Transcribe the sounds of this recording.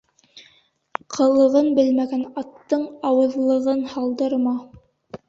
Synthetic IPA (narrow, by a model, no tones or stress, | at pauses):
qʰɤ̆lˠɤ̆ʁɤnbɘlmæɡænɑt̪ːɤɴɑwɤ̆ðlˠɤ̆ʁɤnhɑlˠd̪ɤɾmɑ